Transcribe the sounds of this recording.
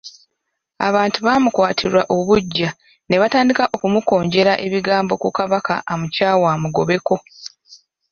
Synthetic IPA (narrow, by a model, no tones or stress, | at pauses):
a̰βaːntuβaːmukwaːtʰiɾwaʔo̞βuɟːa | ne̞βataːndikaʔo̞kumuko̞ːɲɟe̞ɾaʔe̞βiɡaːmbo̞kukaβaka̰ʔːmucaːwaːmuɡo̞βe̞ko̞